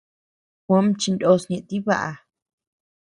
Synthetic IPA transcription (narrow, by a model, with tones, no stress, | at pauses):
xʷã˦mt͡ʃi˧ndo˧sɲẽ˧ʔt̪i˦βa̰˦ʔa˧